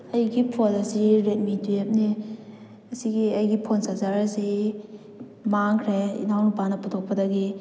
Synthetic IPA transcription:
ɐjɡipʰolɐsiɾet̚mitujep̚ne | ɐsiɡiɐjɡipʰonsazaɾɐsi | maŋkʰɾeḭnʰawnupanɐputʰok̚pɐdaɡi

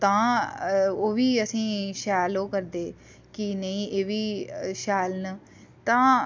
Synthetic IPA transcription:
t̪ãː | oːʋiːəsĩːʃɛːloːkəɾd̪eː | kɪnəĩːʔeːʋiːʃɛːlnə | t̪ãː

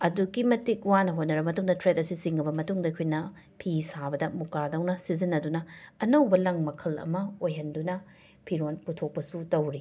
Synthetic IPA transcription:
ɐduɡimɐtik̚wanɐɦotnɐɾɐbɐmɐtuŋdɐtɾet̚ɐsisiŋɡɐbɐmɐtuŋdɐikʰojnɐ | pʰisabɐdɐmukadɐwnɐsizinːɐdunɐːnɐwbɐlɐŋmɐkʰɐlɐ̰mɐojɦɐndunɐ | pʰiɾonputʰok̚pɐsutɐwɾi

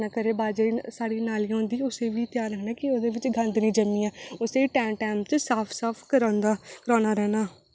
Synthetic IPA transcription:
naːkəɾeːbaːd͡ʒeːsaːɽiːnaːliːõːnd̪iːʊseːʋiːt̪ɪjaːɾɦnaːkɪoːd̪eːʋɪt͡ʃɡʱə̃nd̪nĩːd͡ʒəmĩːaːʊseiʈɛːmʈɛːmt͡ʃsaːpʰsaːpʰkəɾãːnd̪aːkəɾaːnaːɾɛːnaː

